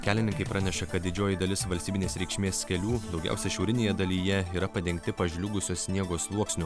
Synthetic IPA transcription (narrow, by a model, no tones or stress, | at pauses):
kʲæːlʲɪnʲɪŋkɐɪpɾʔɑːnʲɛʃɐkɐt̪̚d̪ʲɪd͡ʒʲoːjɪd̪ɐlʲɪsʋɐlʲsʲt̪ʲibʲɪnʲeːsɾʲɛɪkʃʲmʲeːsʲkʲɛlʲuːd̪ɒʊɡʲɛ̰ʊsʲɛʃʲɛʊɾʲɪnʲeːjɛd̪ɐlʲijɛiːɾɐpɐd̪ʲɛŋʲkt̪ʲɪpɐʒʲlʲʊɡʊsʲoːssʲnʲiɛɡoːslˠuɔksʲnʲʊ